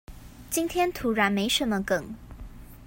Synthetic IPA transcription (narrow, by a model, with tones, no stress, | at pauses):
t͡ɕi˥nt̪ʰjɛ˥nt̪ʰu˧˥ɻa˧˥nme˧˥ɪʂə˧˥nmə˧kə˨˩˦ŋ